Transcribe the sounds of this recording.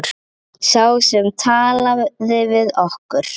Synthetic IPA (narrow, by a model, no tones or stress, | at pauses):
ɾ̥ | sjaːwsɛmt̪ʰaːlaðɪvɪðɔhkʏɾ̥